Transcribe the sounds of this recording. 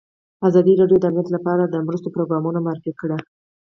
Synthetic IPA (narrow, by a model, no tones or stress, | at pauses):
azɑd̪iɾɑɖjod̪əamniat̪lapɑɾad̪əmɾəst̪opɾoɡɾɑmunomaɾɪfikɽa